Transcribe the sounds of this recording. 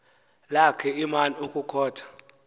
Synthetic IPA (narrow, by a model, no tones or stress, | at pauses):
lakʰɛimaniokʼukʰɔːtʰḁ